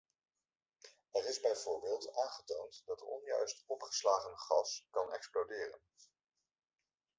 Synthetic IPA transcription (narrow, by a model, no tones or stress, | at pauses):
ɛrɪzbɛjvʊːɹbɪːlˠtaːnχətowntdɑtə̰ɹɔ̰njœɥstɔpχə̥slaːχənχɑskɑnɛ̰ksplowdɪːrə̰n